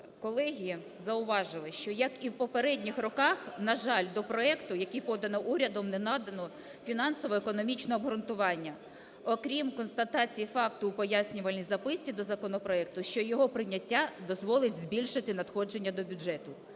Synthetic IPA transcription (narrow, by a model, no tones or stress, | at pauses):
kɔlˠɛɦʲi | zɐʊʋɑʒɪlˠɪʃt͡ʃɔjɐkiwpɔpeɾɛdʲnʲixrɔkɑxnɐʒɑlʲd̪ɔpɾɔɛkt̪ʊjɐkʲipɔd̪ɐnɔʔuɾʲɐd̪ɔmnɛnɑd̪ɐnɔ | fʲinɑnsɔʋɔekɔnɔmʲit͡ʃnɔɐbɦɾʊnt̪ʊʋɑnʲːɐ | ɔkɾʲimkɔnst̪ɐt̪ɑt͡sʲijifɑkt̪ʊːpɔjasʲnʲʊʋɐlʲnʲizɐpɪsʲt͡sʲid̪ɔzɐkɔnɔpɾɔɛk̚t̪ʊʃt͡ʃɔjɔɦɔpɾɪnʲːɐtʲːad̪ɔzʋɔlˠɪtʲzʲbʲilʲʃɪt̪ɪnɐd̪xɔd͡ʒenʲːɐd̪ɔbʲʊd͡ʒɛt̪ʊ